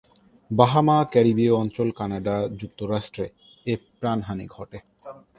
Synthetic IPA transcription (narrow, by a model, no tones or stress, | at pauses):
baɦamakɛɾibioɔnt͡ɕolkanaɖad͡ʑuk̚t̪oɾaʃʈɾe | epɾanɦanḭɡʱɔʈe